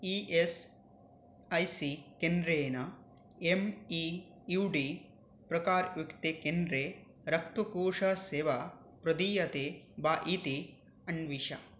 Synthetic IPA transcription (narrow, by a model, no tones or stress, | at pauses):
iʔes | ɐjsikend̪ɾeːnɐ | emi | juwɖi | pɾɐkaːɾjukt̪ekend̪ɾeː | ɾɐk̚t̪ukuːʂɐseːʋa | pɾɐd̪iːjɐt̪eːbaːʔiːt̪i | ɐɳʋiʃɐ̰